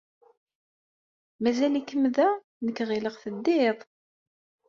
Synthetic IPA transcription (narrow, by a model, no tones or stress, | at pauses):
mæzælikːəmðæ | nəkːʁiləʁθəd̪ːiðˤ